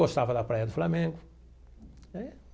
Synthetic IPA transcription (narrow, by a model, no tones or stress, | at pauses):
oʃt̪avɐd̪ɐpɾajɐd̪ʊflamẽŋɡʊ | ɛ